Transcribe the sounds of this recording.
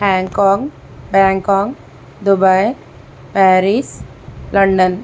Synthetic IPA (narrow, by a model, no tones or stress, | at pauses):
hãŋkɔŋ | bãŋkɔːŋ | d̪ubaj | pɛɾis | ləɳɖən